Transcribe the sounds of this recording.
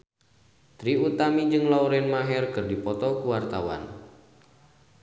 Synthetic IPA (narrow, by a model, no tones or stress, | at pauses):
t̪ɾiut̪amid͡ʒɨŋlɔuɾɛnmaɦɛrkɨrdipɔt̪ɔkuwart̪awa̰n